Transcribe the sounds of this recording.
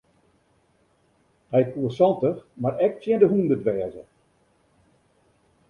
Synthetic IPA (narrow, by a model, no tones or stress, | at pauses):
hɛjkuəsɔntəxmarɛk̚sjɛndəɦundədʋɛːzə̰